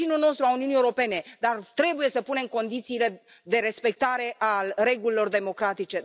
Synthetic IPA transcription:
inulno̞st̪ɾuauniunieuɾo̞pe̞ne̞d̪art̪ɾe̞buje̞səpune̞mko̞nd̪it̪siːle̞ | d̪e̞ɾe̞spe̞k̚t̪aɾe̞ʔalre̞ɡulilo̞rd̪e̞mo̞kɾat̪it͡ʃe̞

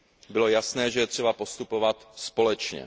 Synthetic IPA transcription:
bɪlo̞jasnɛːʒɛjɛt̪r̝̥ɛbapo̞st̪upo̞vat̪spo̞lɛt͡ʃɲɛ̰

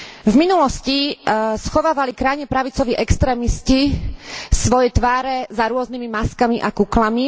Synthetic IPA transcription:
vminulɔscisxɔʋaːʋalikɾajɲɛpɾaʋit͡sɔʋiʔɛkst̪ɾɛːmisci | sʋɔjɛt̪ʋaːɾɛzaɾʊɔznimimaskamiʔakuklami

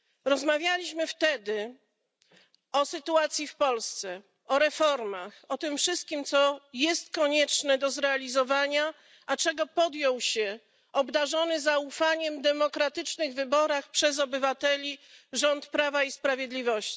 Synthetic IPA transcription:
ɾɔzmavʲjalʲiɕmɘft̪ɛd̪ɘ | ɔsɘt̪uat̪sʲjifpɔlst̪sɛ | ɔɾɛfɔɾmaxɔt̪ɘmfʂɘst̪̚kʲimt̪sɔjɛst̪kɔɲɛt͡ʂnɛd̪ɔzɾɛalʲizɔvaɲa | ʔat͡ʂɛɡɔpɔd̪jɔwɕɛ | ɔbd̪aʐɔnɘzaufaɲɛmd̪ɛmɔkɾat̪ɘt͡ʂnɘɣvɘbɔɾaxpʂɛzɔbɘvat̪ɛlʲiʐɔnt̪pɾavaispɾavʲjed̪lʲivɔɕt͡ɕi̥

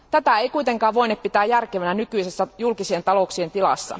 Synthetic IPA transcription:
t̪æt̪æeijkuit̪e̞ŋkɑːʋʋo̞inep̚pit̪æːjjærkeʋænænykyjse̞sːæjulkisient̪ɑlo̞ksient̪ilɑ̰sːɑ̰

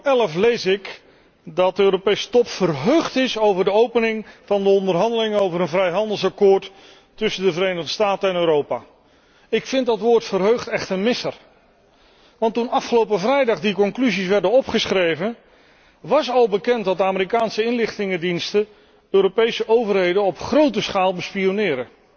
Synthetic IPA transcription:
ɛləflejsɪk | dɑt̚dəøːɾopejsə̥tɔpfərɦøɥχtɪsowvəɹdəowpənɪŋv̥ɑndəɔndərɦɑndəlɪŋowvəɾənvrɛjɦɑndəlˠsɑkʊːɹt | tːɵsəndəvəɾejnəʁdəstaːtəɛnøːɾowpaː | ɪkfɪntdɑtʋʊːɹtfərɦøɥχtɛχtənmɪsər | ʋɑntunɑfχəlowp̬əvrɛjdɑχdikɔŋklyzisʋɛɹdənɔpχəsχrejvən | ʋɑsɑlˠbəkɛntdɑtdəaːmɪɾikaːnsəɪnlɪχtɪŋədinstə | øːɾopejsəʔowvərɦejdənɔpχrowtəsχaːlˠbəspionɪːɾə

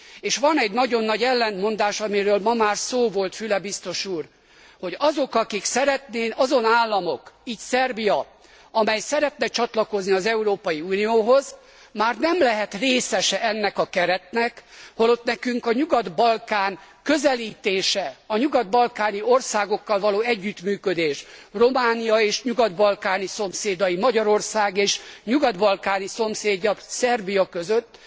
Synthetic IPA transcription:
eːʃʋɒnɛɟnɒɟo̞nːɒɟɛlːɛnt̪mo̞nd̪aːʃɒmiɾøːlmɒmaːrsoːvo̞lt̪fylɛbist̪o̞ʃuːr | ho̞ɟɒzo̞kɒkiksɛɾɛt̪neːnʔɒzo̞naːlːɒmo̞kiːcsɛrbijɒ | ɒmɛjsɛɾɛt̪nɛt͡ʃɒt̪lɒko̞zniɒzɛuɾoːpɒjiuːnijoːɦo̞z | maːrnɛmlɛɦɛt̪reːsɛʃɛɛnːɛkɒkɛɾɛt̪nɛkholo̞t̪nɛkyŋkɒɲuɡɒd̪bɒlkaːnkø̞zɛliːt̪eːʃɛɒɲuɡɒd̪̚bɒlkaːnio̞rsaːɡo̞kːɒlvɒloːɛɟːyt̪myːkø̞d̪eːʃro̞maːnijɒeːʃɲuɡɒd̪bɒlkaːniso̞mseːd̪ɒjimɒɟɒɾo̞rsaːɡeːʃɲuɡɒd̪bɒlkaːniso̞mseːɟːɒbsɛrbijɒkø̞zøt̪ː

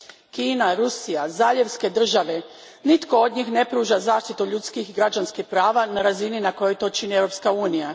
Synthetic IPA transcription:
kiːnaɾusijazaːʎeʋske̞d̪r̩ʒaʋe̞ | nit̪ko̞od̪ɲiːxnepɾuːʒazaːʃt̪it̪uʎut̪skixiɡɾad͡ʒanskixpɾaːʋanaɾazininako̞jo̞jt̪o̞t͡ʃinievɾo̞pskauːnija

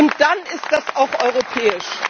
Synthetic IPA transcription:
ʊntd̥anɪstd̥asaʊxʔɔʏʁ̞opʰɛːɪʃ

